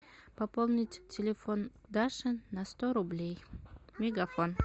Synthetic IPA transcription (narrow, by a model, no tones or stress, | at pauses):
pɐpolˠnʲɪtʲtʲːɪlʲɪfond̪aʂɨnɐst̪oɾʊblʲejmʲɪɡɐfon